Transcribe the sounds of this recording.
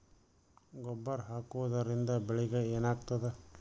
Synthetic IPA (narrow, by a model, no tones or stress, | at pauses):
ɡɔbːɐɾɦaːkuʋɐd̪ɐɾind̪ɐbeɭiɡɐeːnaːɡ̚t̪ɐd̪e